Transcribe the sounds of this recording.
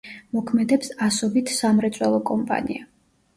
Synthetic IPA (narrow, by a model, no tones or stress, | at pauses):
mɔkʰmɛd̪ɛpsasɔbit̪ʰsamɾɛt̪sʼwɛlˠɔkʼɔmpʼa̰nḭa